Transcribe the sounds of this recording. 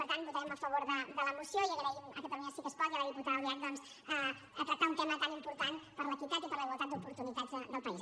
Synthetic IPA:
pəɾt̪anbut̪aɾɛməfəβoɾðəd̪ələmusijoiəkəβajə̰kət̪əluɲasikəskɔjəβajiput̪auliat̪̚d̪ɔnz | ə | ət̪ɾək̚t̪aunt̪emət̪animpuɾt̪anpəɾləkit̪at̪ɛt̪əɾləiβwəlˠt̪ad̪d͡zzupuɾt̪unit̪ad͡zðəd̪əlˠpəiz

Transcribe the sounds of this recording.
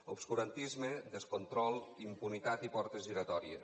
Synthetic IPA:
obskuɾant̪izmed̪eskont̪ɾɔlˠimpunit̪at̪ipɔɾt̪eziɾat̪ɔɾiḛ

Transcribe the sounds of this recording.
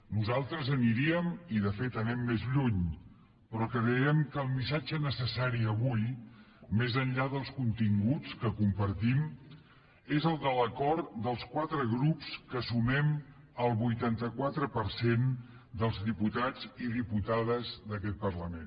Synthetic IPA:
nuzalˠt̪ɾəzəniɾiəmiðəfet̪ənɛmːezʎuɲ | pɾɔkəɾɛɛmkəlˠmisad͡ʒənəsəsaɾiəβuj | mezənʎaðəlˠskunt̪iŋɡut͡skəkumpəɾt̪im | ezəlˠd̪ələkɔɾt̪d̪əlˠskwat̪ɾəɣɾupskəsumɛm | əlˠβujt̪ant̪əkwat̪ɾəpəɾsen | d̪əlˠzðiput̪ad͡ziðiput̪aðəzðəkɛt̪̚pərləmen

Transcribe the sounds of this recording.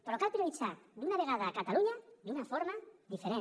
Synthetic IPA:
poɾlokalpɾiolit͡ʃad̪unaβeɣ̞aðaːkat̪aluɲad̪unafoɾmad̪ifeɾe

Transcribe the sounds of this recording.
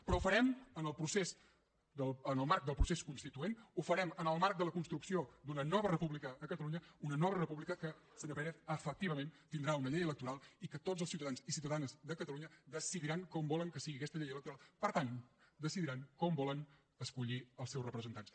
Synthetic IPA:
pɾɔufəɾɛmənəlˠpɾusez | d̪əənəlˠmaɾk̚d̪əlˠpɾuseskunst̪it̪uenufəɾɛmənəlˠmaɾk̚d̪ələkunst̪ɾuksiod̪unənɔβərəpuβlikəːkət̪əluɲəunənɔβərəpuβlikəkə | sənəpɛɾɛtəfək̚t̪iβəment̪ind̪ɾaunəʎejələk̚t̪uɾalˠikət̪otzəlˠsiuwt̪əðanzisiwt̪əðanzðəkət̪əluɲəðəsiðiɾaŋkɔmbɔləŋkəsiɣikɛst̪əʎejələkt̪uɾalˠpəɾt̪and̪əsiðiɾaŋkɔmbɔlən | əskuʎiəlˠsɛwrəpɾəzənt̪ans

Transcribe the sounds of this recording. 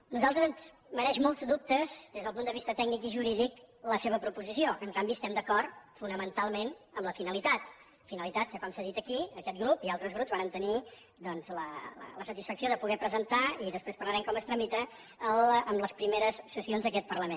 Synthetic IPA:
nuzalˠt̪ɾəzənz | məɾɛʃmolˠzd̪up̚t̪əzd̪ezð̞əlpund̪əβist̪ət̪ɛɡ̚nikiʒuɾiðikləseβ̞əpɾupuzisioʔəŋkambiəst̪ɛmd̪əkɔrfunəmənt̪alˠmenəmləfinəlit̪at̪ | finəlit̪at̪̚kəkɔmsaðit̪əkiəkɛt̪̚ɡɾupialˠt̪ɾəzɣɾupzβaɾənt̪əni | d̪ɔnzlələ̰ləsət̪isfəksioðəpuɣɛpɾəzənt̪aiðəspɾespəɾləɾɛmkɔməst̪ɾəmit̪ə | ələmləspɾimeɾəsːəsionzðəkɛt̪̚pərləmen

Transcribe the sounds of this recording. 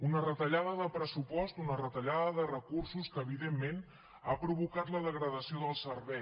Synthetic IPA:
unərət̪əʎaðəðəpɾəsupɔst̪unərət̪əʎaðəðərəkursuskəːβiðemːen | apɾuβukat̪ləðəɣɾəðəsioðəlˠsərβɛ

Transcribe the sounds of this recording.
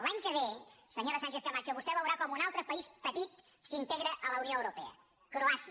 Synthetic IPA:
laɲkəβ̞esəɲoɾəsanʲʃeθk̪əmant͡ʃəβust̪ɛβəwɾakɔmunalˠt̪ɾəpəispət̪it̪ | sint̪eɣ̞ɾəʔələunioəwɾupɛə̰ | kɾoasi

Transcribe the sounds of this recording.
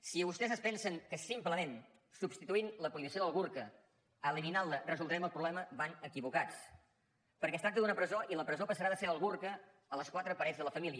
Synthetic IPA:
siβust̪ɛzəspɛnsəŋkəsimpləmen | subst̪it̪uinləkuinəsioðəlˠɣuɾkə | əliminalˠərəzulˠd̪ɾɛməlˠpɾuβlɛməβanəkiβukat͡s | pəɾkɛst̪ɾak̚t̪əd̪unəpɾəzoʔiləpɾəzopəsəɾaðəseɾəlˠɣurkə | ələskwat̪ɾəpəɾɛd͡zðələfəmiliə

